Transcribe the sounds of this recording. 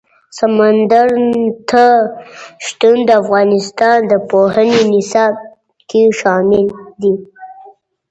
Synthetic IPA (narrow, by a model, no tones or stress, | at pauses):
samand̪əɾt̪ʰa | ʃt̪und̪əafɣɑnɪst̪ɑnd̪əpohənenɪsɑb̚ | keʃɑmɪld̪i